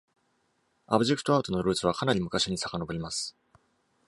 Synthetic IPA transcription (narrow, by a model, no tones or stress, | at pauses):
abɯ̟ʑe̞kɯ̟t̪oaɯ̟t̪o̞no̞ɾɯ̟ːt͡sɨβ̞akanaɾʲimɯ̟kaɕiɲ̟isakano̞boɾʲimasɨ̥